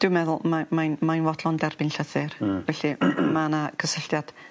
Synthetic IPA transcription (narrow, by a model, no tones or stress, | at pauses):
d̥wɨwmɛðʊlˠmamajnmajnwɔdlˠɔndɛrbɪnɬəθɨrvɛɬimanakʰəsəɬtjad̥